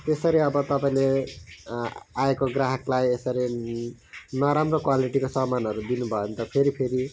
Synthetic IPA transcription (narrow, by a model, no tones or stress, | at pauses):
t̪esʌɾiʌbʌt̪ʌpaĩle | aekoɡraɦʌklajesʌɾi | nʌɾamrokwaliʈikosʌmanɦʌɾud̪inubʱʌont̪ʌpʰeɾipʰeɾi